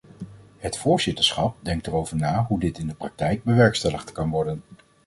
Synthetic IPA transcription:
hətfʊːɹzɪtəɹsχɑp̚dɛŋk̚tərowvəɹnaːɦudɪtɪndəprɑk̚tɛjɡ̚bəʋɛɹkstɛləχtkɑnʋɔɹdən

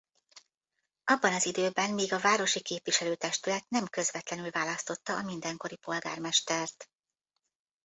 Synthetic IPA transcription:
ʔɒbːɒnɒzid̪øːbɛnmiːɡɒvaːɾo̞ʃikeːpviʃɛløːt̪ɛʃt̪ylɛt̪nɛmkø̞zvɛt̪lɛnylvaːlɒst̪o̞t̪ːɒʔːmind̪ɛŋko̞ɾipo̞lɡa̰ːrmɛʃt̪ɛrt̪

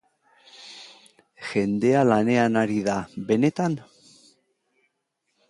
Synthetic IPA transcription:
ʝe̞nd̪e̞alane̞anaɾiðabe̞ne̞t̪an

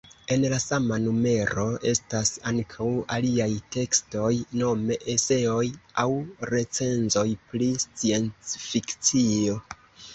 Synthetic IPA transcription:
e̞nlasamanume̞ɾo̞ʔe̞̰stasaŋkʰawaliajte̞ksto̞jno̞me̞ʔese̞o̞jawɾe̞t͡se̞nzo̞jpɾist͡sie̞nt͡sfikt͡sio̞

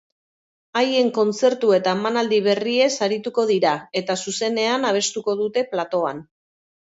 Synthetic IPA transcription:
aje̞ŋko̞nt͡se̞ɾt̪ue̞t̪aemanald̪iβ̞e̞rie̞saɾit̪uko̞ð̞iɾae̞t̪asuse̞ne̞anaβ̞e̞st̪uko̞ðut̪e̞plat̪o̞an

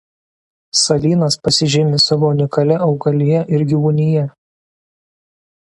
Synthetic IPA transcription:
sɐlʲiːnɐspɐsʲɪʒʲɪmʲɪsɑʋoːnʲɪkɐlʲɛʔɒʊɡɐlʲɪjɛʔɪɾɡʲiʋʊnʲɪjɛ

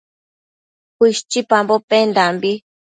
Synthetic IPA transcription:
hiʃt͡ʃipambopend̪ambi

